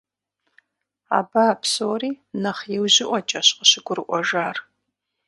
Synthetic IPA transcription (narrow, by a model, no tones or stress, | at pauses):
a̰ːbapʰsoːɾiːnɐχjɛwʑɪʔʷɔt͡ʃʼɐɕqəɕɪɡʷʊɾɨʔʷɔʒaːr